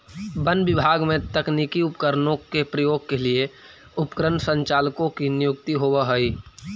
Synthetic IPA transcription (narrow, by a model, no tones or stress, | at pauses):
bənbɪbʱaːɡmẽt̪əknikiʊpkəɾnõkepɾəjoːɡ̚kelie | ʊpkɾənsə̃ɲt͡ʃaːlkõkinɪjʊkt̪iɦobaɦəi